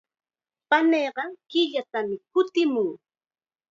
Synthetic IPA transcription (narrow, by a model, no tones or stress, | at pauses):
paneːɢɑkɪʎat̪amɪkʊt̪ɪmʊŋ